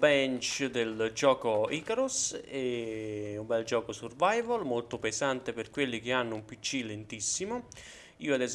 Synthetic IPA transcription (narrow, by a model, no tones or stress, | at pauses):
bɛnt͡ʃd̪eld͡ʒɔːkoiːkɾusɛ | umbɛld͡ʒɔːkosurvajvolmolt̪ʊpesant̪eperkwelːik̟ianːʊumpit͡ʃːilent̪isːimʊ | iːoad̪ɛz